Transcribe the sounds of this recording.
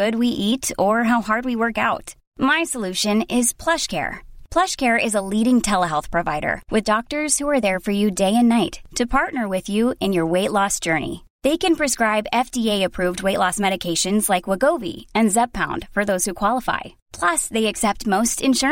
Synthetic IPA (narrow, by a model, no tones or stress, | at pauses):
ʊd̚wiʔiɾə˞ɦaʊɦɑɹd̚wiwɜ˞kaʊt | maɪsəlʉʃɨ̃nɪz̥pʰl̥ʌʃkʰɛ̰ɹpʰl̥ʌʃkʰɛɹɪzəliɾɪ̃ŋtʰɛlˠəɦɛlˠθpʰɹ̥ɨva̰ɪɾə̰˞wʔɨðdɔk̚tə˞z̥huə˞ðə˞fə˞jɨdeɪɨ̃nːaɪtʰɨpʰɑɹtnə˞wɪðjʉɨ̃njə˞weɪʔˡlɔsd̥ʒ̥ɜ˞nḭ | ðeɪkɨ̃npʰɹ̥ɨskɹaɪbɛfdieɪɨpʰɹ̥ʉvd̚weɪʔlɔsmɛɾɨkʰeɪʃɨ̃nzlaɪkwəɡoʊvḭɨ̃nzɛb̚pʰãʊ̃nd̥fə˞ðoʊz̥hukʰw̥ɑlˠəfa̰ɪ | pʰl̥ʌsðeɪɨksɛp̚t̚moʊstɨ̃nʃʊ